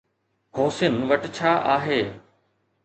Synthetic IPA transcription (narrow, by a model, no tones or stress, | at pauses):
hoːsɪənʋɐʈt͡ɕʰaːʔaːɦeː